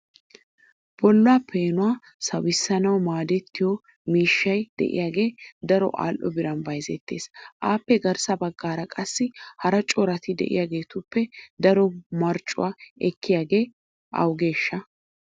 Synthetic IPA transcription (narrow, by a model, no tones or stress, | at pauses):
b̥ɔlːʊaːpʰe̞ːnʊwaː | sɐwɪsːɐnɐwmaːd̪ɛt̪ːɪjɔ | miːʃːɐjd̪̥ɛ̰ʔɪ̰jaːɡe̞ːd̪ɐɾɔ̰ʔa̰ːlʔɔ̰bɪɾɐnbɐjzɛt̪ːe̞̰ːsʔaːpːɛɡɐɾsɐbɐɡːaːɾɐkʼɐsːɪhɐɾɐt͡ʃʼɔɾɐt̪ɪd̪ɛ̰ʔɪ̰jaːɡe̞ːt̪ʊpːɛd̪ɐɾɔmɐɾt͡ʃʼːʊ̰waːɛkʰːɪjaːɡe̞ː | ʔɐ̰wɡe̞ːʃːɐ